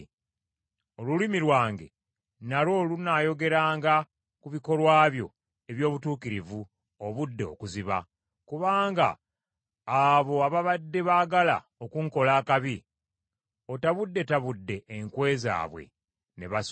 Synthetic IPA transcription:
o̞lulimiɾwaːŋɡe̞̰ | nalo̞ːlunaːjo̞ɡe̞ɾaːŋɡa | kuβiko̞lwaːβjo̞̰ | e̞βjo̞ːβutuːkiɾivu | oβudːe̞o̰kuziβa̰ | kuβaːŋɡa̰ː | βo̞aβaβadːe̞βaːɡala̰ | okuŋko̞laːkaβi | o̞taβudːe̞taβudːe̞ːŋkwe̞ːza̰ːβwe̞̰ | ne̞βa

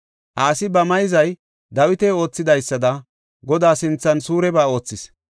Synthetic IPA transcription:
ʔaːsɪbɐmɐjzɐj | d̪ɐwɪt̪ɛo̞ːt͡sːɪd̪ɐjsːɐd̪ɐ | ɡɔd̪aːsɪnt͡sːɐnsuːɾɛbaːo̞ːt͡sːɪs

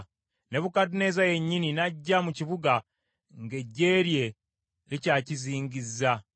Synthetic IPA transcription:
ne̞βukatune̞ːzaje̞ɲːininaɟːamuciβuɡa | ŋɡe̞ɟːe̞ːɾje̞ | licaːciziːŋɡizːa

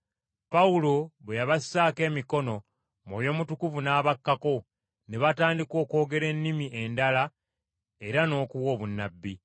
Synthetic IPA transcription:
paulo̞βwejaβasːaːke̞ːmiko̞no̞ | moβjo̞ːmutukuvunaːβakːako̞ | neβataːndiko̞ːko̞ːɡe̞ɾe̞nːimiʔe̞ndala | e̞ɾano̞ːkuwo̞ːβunːabːi

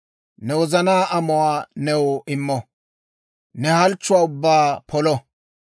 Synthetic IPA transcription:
nɛwɔzɐnaːʔɐmɔwaːnɛwɪmːɔ | nɛhɐlt͡ʃːʊwaːʊbːaːpʰɔlɔ

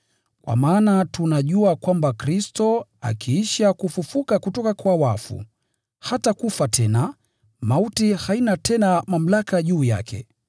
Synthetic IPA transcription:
kwa̰maːnatunaʄuakwambakɾistɔa̰kʰiiʃakufufukakutɔkakwawafṵ | hatakufatʰɛna | mautihainatʰɛnamam̩lakaʄuːja̰kʰɛ̰

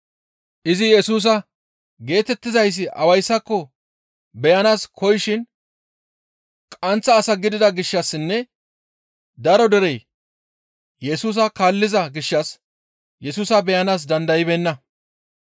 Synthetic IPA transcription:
ʔɪzɪjɛsuːs̬ɐ | ɡe̞ːt̪ɛt̪ːɪzɐjs̬ːɪʔɐwɐjsːɐkːɔ | bɛjɐnaːskʰɔjɪʃɪn | kʼɐnt͡sːɐːsɐɡɪd̪ɪd̪ɐɡɪʃːɐsːɪnːɛ | d̪ɐɾɔd̪ɛɾɛj | jɛsuːs̬ɐkaːlːɪzɐɡɪʃːɐs | jɛsuːsɐbɛjɐnaːs̬d̪ɐnd̪ɐjɪbɛnːɐ

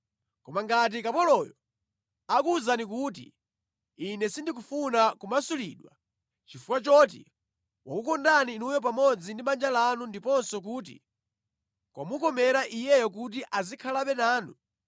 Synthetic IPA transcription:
kɔmaŋɡat̬ikapɔlɔjɔ | akuzanik̬ut̬ḭ | inɛsindik̬ufunakumasuliːɗwa̰ | t͡ʃifukwat͡ʃɔt̬ḭ | wakukɔndaninujɔp̬amɔd͡zindiɓand͡ʒalanundipɔnsɔk̬uːt̬ḭ | kwamukɔmɛɾaʔijɛjɔk̬ut̬iʔazikʰalaɓɛnaːnu

